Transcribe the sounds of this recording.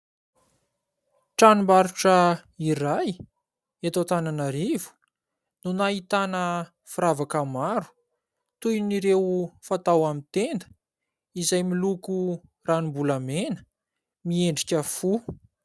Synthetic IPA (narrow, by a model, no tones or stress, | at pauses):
ʈ͡ʂanimbaɾuʈ͡ʂəiɾaj | et̪ot̪ananaɾivu̥ | nunaɦit̪anə | fuɾavakəmaɾu̥ | t̪ujniɾewfat̪awamint̪enə̥ | izajmiluku | ranibulamenə̥ | mieɳɖ͡ʐikʲəfu